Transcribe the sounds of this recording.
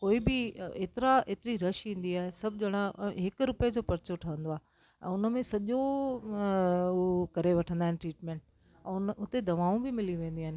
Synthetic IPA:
koːibɪeːt̪ɪɾaeːt̪ɪɾiɾɐʃĩːn̆d̪iaːɦesɐbʱd͡ʑɐɽ̃aɦɪkɾʊpjed͡ʑoːpɐɾt͡ɕoʈʰɐə̃nd̪oaːɦe | ɛ̰̃ːʊnəmẽsɐʄo | kɐɾeʋɐʈʰə̃nd̪aːɦɪ̃ɪʈɾiːʈmẽːɳʈ | ɛ̃ːʊnʊt̪ed̪ɐʋaːũbɪmɪlĩʋẽːnd̪iaːɦɪnɪ

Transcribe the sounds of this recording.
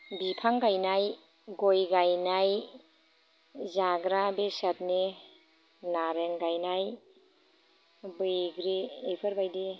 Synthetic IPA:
bipʰaŋɡajnaj | ɡojɡajnaj | zaɡɾabesat̚ni | naɾeŋɡajnaj | bɯjɡɾiejpʰəɾbajdi

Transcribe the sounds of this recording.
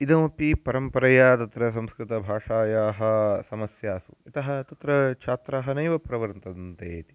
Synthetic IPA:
id̪ɐmɐpipɐɾɐmpɐɾɐjaːt̪ɐt̪ɾɐs̬ɐmskɾɪt̪ɐbʱaːʂaːjaːɦɐ̆sɐmɐsjaːsuit̪ɐɦɐt̪ɐt̪ɾɐt͡ʃʰaːt̪ɾaːɦɐnɐjʋɐpɾɐʋɐɾnt̪ɐd̪ɐnt̪eːt̪i̥

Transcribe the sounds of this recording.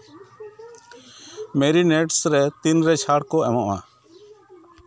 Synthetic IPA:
mɛɾinɛʈsɾɛt̪inɾɛt͡ʃʰaɽkɔɛmɔʔa̰

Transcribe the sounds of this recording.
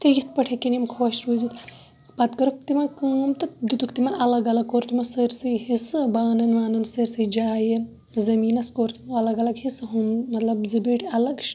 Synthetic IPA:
t̪eɡʲit̪̚pɐʈʰekinimkʰwɐʃɾuːzit̪ | pɐt̪kɐɾukt̪imɐkɨmt̪ɨd̪ut̪ukt̪imɐnɐlɐɡɐlɐkːoːɾt̪ʰumɐsɨɾsɨɦisɨbaːnɐnʋaːnɐnsɐɾsɨd͡ʒaːje | zɐmiːnɐskoːɾt̪ʰumɐlɐɡɐlɐɡhisɦummɐt̪lɐbzɐbiʈɐlɐɡʃ

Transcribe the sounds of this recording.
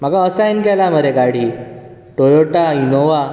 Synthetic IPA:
m̤aɡaəsainɡɛlaməɾekaɽ̤iː | ʈojoʈainoʋa

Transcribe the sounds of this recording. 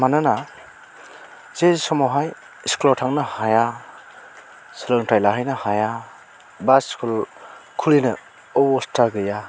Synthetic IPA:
manɯna | z̥ezisɔmɔɦaj | isklɔtʰaŋnɯhaja | sɯlɯŋtʰajlaɦajnɯhaja | basskulkʰulinɯ | ɔwɔstaɡɯja

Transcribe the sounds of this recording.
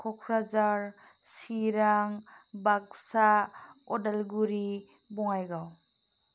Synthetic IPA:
kʰɔkʰɾazaɾ | siɾaŋbaksaɔdalɡuɾi | bɔŋajɡaw

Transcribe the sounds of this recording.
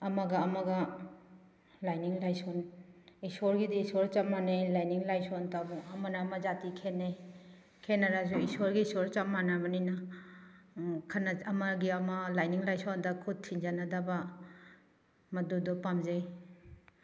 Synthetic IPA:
ɐmaɡɐːmaɡɐ | lajniŋlajsoɔnisɔɾɡidiːsɔɾt͡ʃamanejlajniŋlajsɔntabuɐmanaːmad͡ʒatikʰenej | kʰenaɾazuisɔɾɡiːsɔɾt͡ʃamanabanina | kʰanaɐmaɡiɐmalajniŋlajsɔndakʰud̚tʰind͡ʒanadaba | mɐdudɔpamzaj

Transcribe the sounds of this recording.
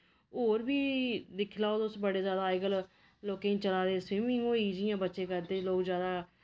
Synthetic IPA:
oːɾbiːd̪ɪkʰlaːoːd̪ʊsbəɽeːzjaːd̪aːɪɡəl | loːkẽːt͡ʃəlaːd̪eːswɪmɪ̃ŋɡoːiːd͡ʒɪjãːbətːʃeːkəɾd̪eːloːkzjaːd̪aː

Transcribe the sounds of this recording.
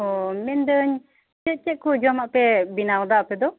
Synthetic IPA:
ɔmɛnd̪əɲ | t͡ʃɛʔ̚t͡ʃɛʔ̚kɔd͡ʒɔmaʔpɛbinawd̪aapɛd̪ɔ

